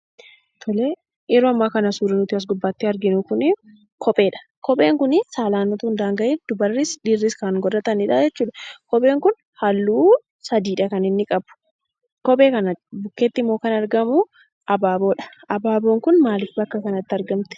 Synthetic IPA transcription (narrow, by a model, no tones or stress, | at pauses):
t̪ʰɔle | ɛɾoɐmːaːkɐnɐsuːɾɪnʊt̪ɪɐs̬ɡʊbːaːt̪ːɪɐɾɡɪnʊkʊnɪ | kʰɔpʼe̞ːᶑɐ̥ | kɔpʼe̞ːŋkʊnɪsaːlaːnːʊt̪ʊhʊnd̪aːŋɡɐʔiːnd̪̥ʊbɐrːɪsᶑiːrːɪskɐŋɡɔdɐt̪ɐnɪᶑaːd͡ʒɛt͡ʃːuːᶑɐkɔpʼe̞ːŋkʊn | hɐlːuː | sɐd̪iːᶑɐkɐnɪnːɪkʼɐbʊ̥ | kɔpʼe̞ːkɐnɐbʊkːe̞ːt̪ːɪmːoːkɐnɐɾɡɐmʊ | ʔɐbaːbo̞ːᶑɐ̥ʔɐbaːbo̞ːŋkʊnmaːlɪbɐkːɐkɐnɐt̪ːɪɐɾɡɐmt̪ɛ̥